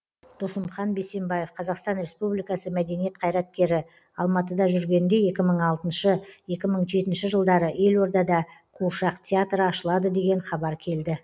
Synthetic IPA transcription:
d̪̥osəmχɑnbe̞se̞mbɑje̞fqʰɑzɑqst̪ɑnɾe̞spublijkɑsəmæd̪e̞nije̞t̪̚qʰɑjɾɑt̪̚kʲe̞ɾɪ | ɑlˠmɑt̪əd̪ɑʒʏɾɡʲe̞nd̪e̞je̞kʲɪməɴɑlˠt̪ənʃəje̞kʲɪməɴʒe̞t̪ɪnʃɪʒəlˠd̪ɑɾəe̞lo̞ɾd̪ɑd̪ɑqʰuʃɑqt̪ʲʰeat̪ɾəɑʃəlˠɑd̪əd̪e̞ɡʲe̞ɴχɑbɑɾkʲʰe̞ld̪ɪ

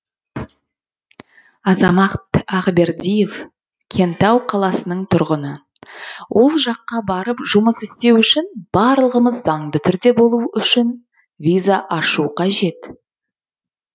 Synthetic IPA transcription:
ɑzɑmɑqt̪ɑʁbe̞ɾd̪ʲijev | kʲʰe̞nt̪ɑwqʰɑlˠɑsənəɴt̪ʰʊɾʁənə | wʔo̞lˠʒɑqːɑbɑɾəpʒʊməsɪst̪e̞wʏʃɪnb̥ɑɾlˠəʁəməzːɑɴd̪ət̪ʰʏɾd̪e̞bo̞lˠuʏʃɪn | vʲijzaʔɑʃuqʰɑʒe̞t̪

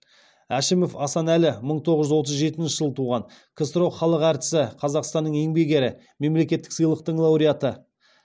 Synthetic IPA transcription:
æʃɪmo̞fɑsɑnælɪməɴt̪ʰo̞ʁəʒʏzwo̞t̪̬əzʒe̞t̪ɪnnʃɪʒəlˠət̪ʰuʁɑɴkʰɪst̪ɾo̞qχɑlˠəqæɾt̪ɪ̥sɪqʰɑzɑqst̪ɑnːəɴe̞ŋbe̞ɡʲe̞ɾɪ | me̞mle̞kʲe̞t̪ːɪ̥ksɨjlˠəq̚t̪əɴlˠɑwɾijat̪ə

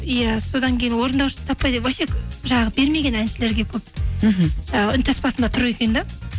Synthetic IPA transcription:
ijæso̞d̪ɑŋkʲʰe̞jɪnwo̞ɾənd̪ɑwʃə̥t̪ʰɑpːɑjd̪epwæʃekʲʒɑɴɑʁəbe̞ɾme̞ɡʲe̞nænʃɪle̞ɾɡʲe̞kʲʰɵp̚ | ʒɑʏnt̪ʰæspɑsənd̪ɑt̪ʰʊɾue̞kʲe̞nd̪ɪ

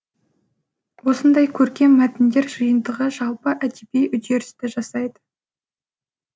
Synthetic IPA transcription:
wo̞sənd̪ɑjkʲʰɵɾkʲe̞mːæt̪ɪnd̪e̞ɾʒəjənd̪əʁəʒɑlˠpəʔæd̪epejʔʏd̪e̞ɾɪ̥st̪ɪʒɑsɑjd̪ə

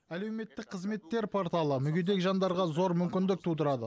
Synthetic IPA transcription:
æle̞wme̞t̪ːɪk̚qʰəzme̞t̪ːe̞ɾpʰo̞ɾt̪ɑlˠəmʏɡʲe̞d̪e̞kʒɑnd̪ɑɾʁɑzo̞ɾmʏmkʲɪnd̪ɪk̚t̪ʰud̪əɾɑd̪ə̰

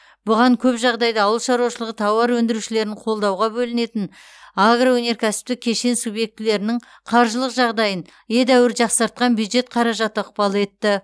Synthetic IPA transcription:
b̥ʊʁɑŋkʲʰɵpʒɑʁd̪ɑjd̪əːwəlˠʃɑɾuɑʃəlˠəʁət̪ʰɑwɑɾwɵnd̪ɪɾuʃɪle̞ɾɪɴqʰo̞lˠd̪ɑwʁɑbɵlɪne̞t̪ɪn | aɡrowɵne̞ɾkʲʰæsɪ̥p̚t̪ɪkʲʰːe̞ʃensubje̞k̚t̪ɪle̞ɾɪnɪŋ | qʰɑɾʒəlˠəqʒɑʁd̪ɑjən | jed̪æwɪɾʒɑqsɑɾt̪̚qɑnbjud̪ʒe̞t̪̚qʰɑɾɑʒɑt̪əəqpɑlˠe̞t̪ːɪ

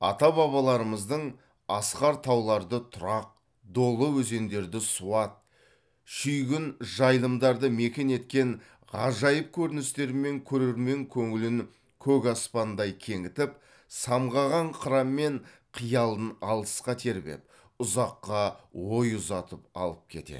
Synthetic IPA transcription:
ɑ̰t̪ɑbɑβɑlˠɑɾəməzd̪əɴ | ɑsqɑɾt̪ʰɑwlˠɑɾd̪ət̪ʰʊɾɑq̚ | d̪o̞lˠəwɵze̞nd̪e̞ɾd̪ɪsuɑt̪̚ | ʃʏjɡʲɪnʒɑjlˠəmd̪ɑɾd̪əme̞kʲe̞ne̞t̪kʲe̞ŋ | ʁɑ̰ʒɑjəp̚kʲʰɵɾɪnɪst̪e̞ɾɪme̞ŋkʲʰɵɾe̞ɾme̞ŋkʲʰɵŋɪlɪŋ | kʲʰɵkɑspɑnd̪ɑjkʲʰe̞ŋɪt̪ɪp | sɑmʁɑʁɑɴqʰəɾɑmːe̞ɴ | qʰijɑlˠd̪ənɑlˠəsqɑt̪ʰe̞ɾbe̞̰p̚ | ʊzɑqːɑwo̞jʊzɑt̪əp̚ɑ̰lˠəp̚kʲʰe̞̰t̪e̞̰

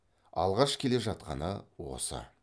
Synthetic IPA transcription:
ɑ̰lˠʁɑʃkʲʰe̞le̞ʒɑt̪̚qɑ̰nəwo̞̰sə̰

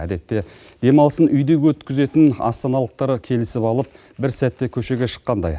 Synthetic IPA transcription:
æ̰d̪e̞t̪ːe̞ | d̪̥e̞mɑlˠəsənʏjd̪eɡʲwɵt̪kʲɪze̞t̪ɪnɑ̰st̪ɑnɑlˠəq̚t̪ɑɾəkʲʰe̞lɪsɪpɑlˠəp̚ | bɪɾsæt̪ːe̞kʲʰɵʃe̞ɡʲeʃə̥qːɑnd̪ɑ̰j

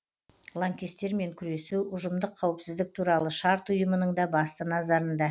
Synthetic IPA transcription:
lˠaŋkʲest̪ːe̞ɾme̞ŋkʲʰʏɾe̞suʊʒəmd̪əqʰːɑwəpsɪzd̪ɪk̚t̪ʰuɾɑlˠəʃɑɾt̪ʊjəmənəɴd̪ɑbɑst̪ənɑzɑɾənd̪ɑ

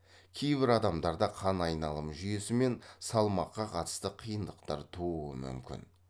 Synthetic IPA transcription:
kʲʰe̞jbɪɾɑd̪ɑmd̪ɑɾd̪ɑqʰɑnɑjnɑlˠəmʒʏje̞sɪme̞nsɑlˠmɑqːɑqʰɑt̪ə̥st̪əqʰijənd̪əqt̪ɑɾt̪ʰuuəmʏ̰mkʲɪ̰n

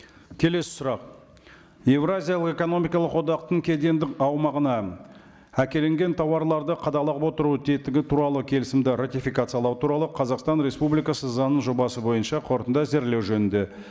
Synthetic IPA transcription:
kʲʰe̞le̞sɪ̥sʊɾɑq | je̞vɾazʲijɑlˠəqe̞ko̞no̞mijkɑlˠəqwo̞d̪ɑqt̪əɴkʲʰe̞d̪e̞nd̪ɪkɑwmɑʁənɑ | ækʲe̞le̞ŋɡʲe̞nt̪ʰɑwɑɾlˠɑɾd̪əqʰɑd̪ɑlˠɑʁəpwot̪əɾut̪ʰe̞t̪ɪɡʲɪt̪ʰuɾɑlˠəkʲʰe̞lɪsɪmd̪ɪɾat̪ijfijkat̪sɨjɑlˠɑwt̪ʰuɾɑlˠəqʰɑzɑqst̪ɑnɾe̞spublijkɑsəzɑnːəɴʒo̞bɑsəbo̞jənʃɑqʰo̞ɾt̪ənd̪ɑze̞ɾle̞wʒɵnɪnd̪e̞

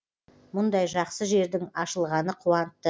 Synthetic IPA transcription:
mʊnd̪ɑjʒɑqsəʒe̞ɾd̪ɪŋɑʃəlˠʁɑnəqʰuwɑnət̪ːə

